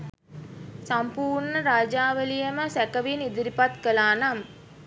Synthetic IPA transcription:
sampuːrɳəɾaːd͡ʒaːʋəlijəməsækəʋinid̪iɾipat̪kəlaːnam

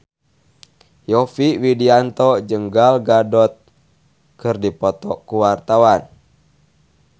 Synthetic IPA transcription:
jɔfiwidiant̪ɔd͡ʒəŋɡalɡadɔt̪̚ | kɨrdipɔt̪ɔkuwart̪awan

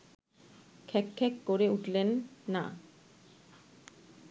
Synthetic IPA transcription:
kʰɛkʰːɛkːoɾeuʈlenːa̰

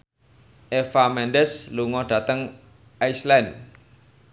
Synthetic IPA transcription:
ʔefamɛnɖɛsluŋɔɖ̥ä̤t̪əŋ | aislɛn

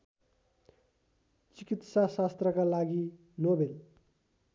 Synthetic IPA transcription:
t͡sikit̪sasast̪rʌkalaɡi | nobel

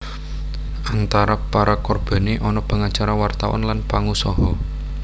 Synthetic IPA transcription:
ʔant̪aɾapaɾakɔrb̥a̤neʔɔnɔpaŋat͡ʃaɾawart̪awɔ̰nlanpaŋusɔɦɔ

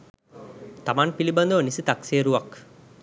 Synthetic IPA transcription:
t̪amanpiliband̪əʋənisət̪akseəɾuʋak

